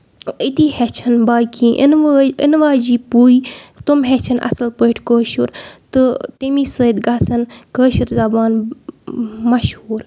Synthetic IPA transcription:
it̪iːhɛt͡ʃʰɐnbaːkiʔə̰nʋəḭnʋaːd͡ʒiːpuːit̪umɦet͡ʃʰɐnʔɐ̰sɐlpəiʈʰkəːʃuɾt̪ɨt̪emiːsəːd̪ɡasɐnkəːʃuɾzɐbaːn | mɐʃhuːɾ

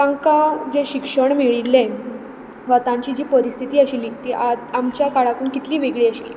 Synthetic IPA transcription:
ãŋkad͡zeɕikʂəɳmiɭilːe | ʋət̪ãɲt͡ɕiːd͡ʑiːpəɾist̪ʰit̪iːəɕiːlit̪iʔaamt͡ɕjakaɭakuːnkit̪liːʋeɡɭiːəɕḭ

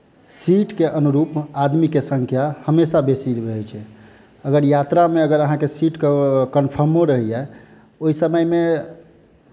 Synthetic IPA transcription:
siʈkeʔənuɾupad̪mikesə̃ŋkʰjahəmesabesiɾəɦɛt͡ʃʰɛ | əɡəɾjat̪ɾameəɡəɾəɦãkesiʈkkənpʰəɾmoɾəɦijɛ | oisəməjme

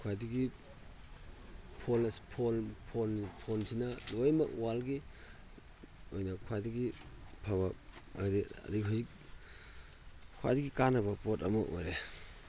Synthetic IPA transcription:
kʰwajdiɡi | pʰolɐsi̥pʰolpʰonpʰonsinɐlojmɐk̚walɡi | ojnɐkʰwajdiɡipʰaβɐadiɐ̰diɡiɦuzik̚ | kʰwa̰jdiɡikanɐbɐpotɐmɐ̰ʔojɾe

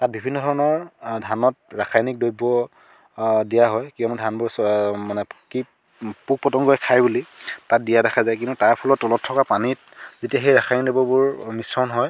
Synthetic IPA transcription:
tat̚bibʱinːɔdʱɔɹɔnɔɹdʱanɔt̚ɹakʰajnik̚dojbɔ | dijaɦɔjkijɔnɔdʱanbɔsmanɛki | puk̚pɔtɔŋɡɔjkʰajbulitat̚dijadɛxʰazajk̬ĩntutaɹpʰɔlɔtːɔlɔtʰːɔkapanit̚ | zetijaxejɹaxʰajnidebɔbʊɹmisɹɔnɦɔj

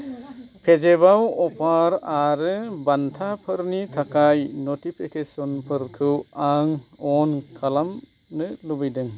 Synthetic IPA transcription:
pʰezebawɔpʰaɾaɾɯbantʰapʰɯɾnitʰakajnɔtipʰikesɔnpʰɯɾkʰɯwaŋɔnkʰalam | nɯlubɯjdɯŋ

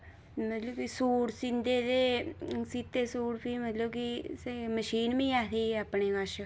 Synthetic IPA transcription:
mət̪ləbkisuːɾsɪnd̪eːd̪eːsit̪ːeːsuːɾpʰiːmət̪ləb̚kiseməʃiːnmĩːaːt̪eːapːneːkəʃ

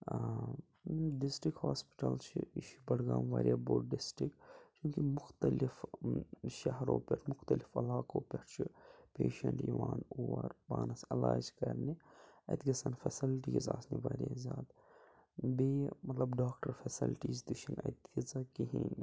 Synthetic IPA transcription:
ɖisʈɾikhaːspi̥ʈɐlt͡ʃʰiiʃbɐɽɡaːmʋaːɾjaːboːɖɪsʈɾikt͡ʃũːkimʊxt̪ɐlif | ʃɐɦɾo̰ːpʲɐɾmʊxt̪ɐlifɐlaːkoːpʲjɐɾt͡ʃʰipeːʃɐɳʈjiʋaːnuːɐɾbaːnɐsɐlaːd͡ʒkɐɾniɐ̰t̪ɡʲɐsɐnfɐsilʈizaːsniʋaːɾjazʲjaːt̪ | beːmɐt̪lɐbɖaːkʈɐɾfɛsilʈiːzt̪iʃɐnɐt̪izakiɦin

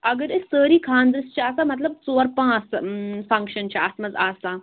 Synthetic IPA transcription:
ɐɡəɾesəːɾiːkʰãːnd̪ɾɨst͡ɕaːsamɐt̪̬lɐb̚t͡soːɾpãːt͡sfɐ̃ŋkʂɐnt͡ɕa̰ːsmɐd͡zasa

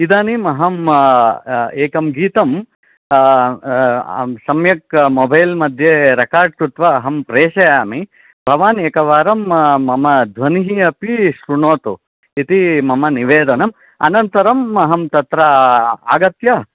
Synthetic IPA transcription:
id̪aːnimɐɦɐm | eːkɐmɡiːt̪ɐm | sɐmjɐk̚mobʱɐjlmɐd̪ʱjeɾɐkaːɾɖ̚kɾut̪ʋɐːɦɐmpɾeːʃɐjaːmi | bʱɐʋaːneːkɐʋaːɾɐmːɐmɐd̪ʱʋɐniɦiɐpiʃɾuɳoːt̪u | it̪imɐmɐniʋeːd̪ʱɐnɐm | ɐ̰nɐnt̪ɐɾɐmɐɦɐmt̪ɐt̪ɾɐa̰ːɡɐt̪jɐ

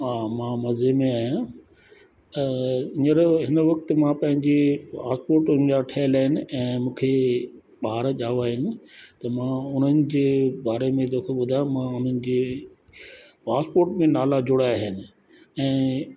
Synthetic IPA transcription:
aːmãːmɐzemẽaːɦijã | ɪɲəɾɦɪnəʋɐk̚t̪mãpɐ̃ɦɪ̃ɲd͡ʑepaːspoːɾʈʊnɪ̃d͡ʑaʈʰaːɪlaːɦɪnɪ̆ɛ̃ːmũːkʰe | ɓaːɾʄaːʋaːɦɪnɪ̆t̪ɐmãʊn̤ənɪ̆d͡ʑeːbaːɾemẽt̪̬oːkʰeɓʊd̪ʱaːjʊ̃mãʊn̤ənɪ̆d͡ʑeː | paːspoːɾʈmẽnaːlad͡ʑʊɽajɦɪnɪ̆ | ɛ̃ː

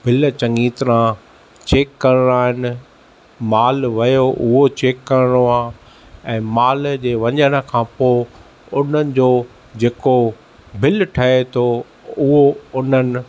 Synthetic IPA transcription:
bʱɪlt͡ɕɐ̃ŋiːt̪ɾã | t͡ɕeːkːɐɾɽaːɦɪnɪ̆ | maːlʋɐjoʔʊɦot͡ɕeːkːɐɾɽoaː | ɛ̃ːmaːld͡ʑeːʋɐ̃ɲəɽ̃ə̆kʰãːpoː | ʊn̤ənɪ̆d͡ʑoː | d͡ʑeːko | bʱɪlʈʰɐɦet̪ʰo | ʊɦoʊn̤ənɪ̆

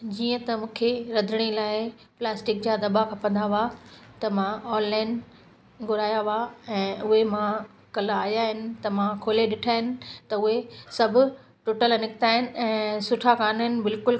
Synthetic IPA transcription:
d͡ʑiːə̃t̪ɐmũːkʰeɾɐd̪ʱɪɽ̃ilaːɪ | plaːsʈɪk̚d͡ʑad̪ɐbakʰɐpɐ̃nd̪aʋat̪ɐmãɔːlːaːɪn | ɡʊɾaːjaʋaɛ̃ːʊɦemã | kɐlaːjaɦɪnɪ̆t̪ɐmãkʰoːleɗɪʈʰaːɦɪnɪ̆t̪ɐʊɦesɐbʱʊ | ʈoːʈəlnɪkʰɪt̪aːɦɪnɪ̆ɛ̃ːsʊʈʰakaːnɦɪnɪ̆bɪlkʊl

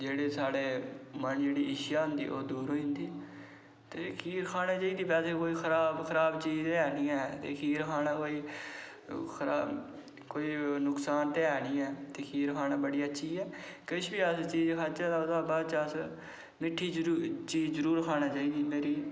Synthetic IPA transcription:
d͡ʒeːɽeːsaːɽeːmənd͡ʒeːɽiːɪʃjaːɦʊ̃nd̪ḭːʔoːd̪uːɾɦoːĩːnd̪iː | t̪eːkʰiːɾkʰaːñaːt͡ʃaːiːd̪iːbɛːseːkoːiːxʰəɾaːbkʰəɾaːbt͡ʃiːzt̪ɛːniːɛɛːt̪ḛːkʰiːɾkʰaːnãːkoːiː | kʰəɾaː | koːiːnʊksaːnt̪eːɛːnĩːɛːt̪eːkʰiːɾkʰaːnãːbəɽiːətːʃʰiːɛːkɪʃbiːəst͡ʃiːzkʰaːt͡ʃaːd̪ãːʊd̪ãːbaːd̪t͡ʃəs | mɪʈʰːiːt͡ʃiːzzəɾuːɾkʰaːnãːt͡ʃaːiːd̪iːmeːɾiː

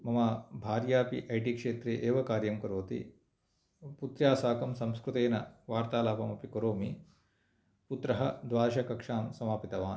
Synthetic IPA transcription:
mɐmɐbʱaːɾjaːpḭʔɐjʈikʂeːt̪ɾeːʔeːʋɐkaːɾjɐmkɐɾoːt̪ḭ | put̪ɾjaːsaːkɐmsɐmskɾut̪eːnɐʋaːɾt̪aːlaːpɐmɐpikoɾoːmi | put̪ɾɐɦɐd̪ʋaːʃɐkɐkʂaːmsɐmaːpit̪ɐʋaːn

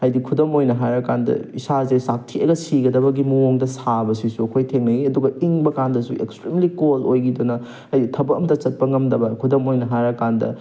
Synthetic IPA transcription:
hajdikʰudɐmojnɐɦajɾɐkandɐ̰isazesak̚tʰiʔɐ̰ɡɐsiɡɐdɐbɐɡimuoŋdɐsabɐsisuɐkʰojtʰeŋnɐɡiɐduɡɐiŋbɐkandɐsuḛkstɾemlikolojɡidonɐ | hajditʰɐbɐɐmtɐt͡ʃɐt̚pɐŋɐmdɐbɐkʰudɐmojnɐɦajɾɐkandɐ̰

